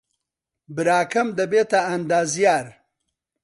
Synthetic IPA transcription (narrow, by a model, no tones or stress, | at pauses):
bɪɾaːkɐmd̪ɐbet̪aːnd̪aːzjaːɾ